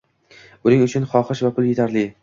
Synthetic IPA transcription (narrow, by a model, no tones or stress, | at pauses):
ʊnɪŋʊt͡ʃʰʊnχɒχɨʃvapʰʊlˠje̞t̪ʰaɾlɪ